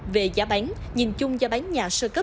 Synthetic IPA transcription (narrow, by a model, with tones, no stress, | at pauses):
ve˨˩zaː˨˦ɓa˨˦ŋ | ɲi˨˩nt͡ɕʊ˧ŋ͡mzaː˨˧˦ɓa˨˦ŋɲaː˨˩səː˧kə˦˥